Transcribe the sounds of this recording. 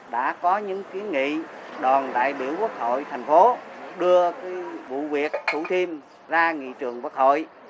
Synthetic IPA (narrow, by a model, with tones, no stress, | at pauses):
ɗa̰ː˧˥kɔ˨˦ɲɨ̰˧˥ŋki˨˦ənŋḭ˧˨ɗɔ˨˩nɗ̪a̰ː˧˨jɓḭ˧˩əwku˦˥ək̚ho̰˧˨jt̪ʰa˨˩jŋ̟fo˨˦ɗɨ˧əkaː˨˦jvṵ˧˨vi˨˩ək̚t̪ʰṵ˧˥t̪ʰi˧əm | zaː˧ŋḭ˧˨t͡ɕɨ˨˩əŋkwaː˦˥k̚ho̰˧˨j